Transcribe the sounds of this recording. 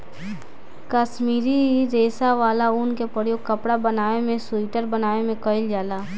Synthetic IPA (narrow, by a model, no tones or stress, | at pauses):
kaʃmiːɾiɾeːsaʋaːlauːnkepəɾjoːɡ̚kɐpɽabənaːemẽsʊɪʈəɾbənaːemẽkəɪld͡ʒaːlaː